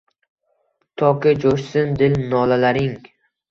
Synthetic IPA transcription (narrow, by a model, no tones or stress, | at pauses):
t̪ʰɒkʰʲɪd͡ʒoʃsɪnd̪ɪlnɒlalaɾɪŋ